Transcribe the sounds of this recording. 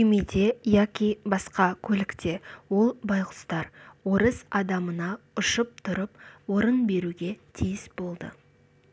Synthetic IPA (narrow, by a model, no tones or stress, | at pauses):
emed̪e̞jɑkʲijbɑsqɑkʲʰɵlɪkt̪ʰe̞wo̞lˠbɑjqʊst̪ɑɾwo̞ɾəzɑd̪ɑmənɑʊʃəp̚t̪ʰʊɾəpwo̞ɾənbe̞ɾuɡʲe̞t̪ʰijɪsb̥o̞lˠd̪ə̰